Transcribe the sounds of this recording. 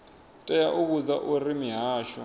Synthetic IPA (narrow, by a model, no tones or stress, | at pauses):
tʼɛjaʔuβud͡zaʔurimiɦaːʃɔ